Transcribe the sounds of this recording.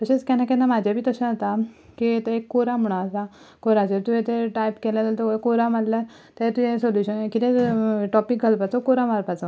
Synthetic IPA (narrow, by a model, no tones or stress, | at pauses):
t̪əɕet͡skanakẽnamad͡ʑʱabʱiːt̪əɕanət̪a | kit̪əekːoɾam̤əɽ̃asa | koɾad͡zəɾt̪ujẽt̪eʈajpkɛlat̪alt̪okoɾamalla | t̪at̪uẽsoljuɕənkit̪ẽʈɔpik̚ɡʱəlpat͡sokoɾamaɾpat͡sa